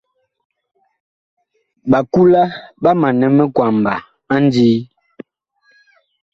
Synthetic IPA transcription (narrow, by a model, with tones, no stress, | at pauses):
ɓa˨ku˦la˦ɓa˦ma˨nɛ˨mɛ˦kwa˨mba˨ | a˦n˦diː˦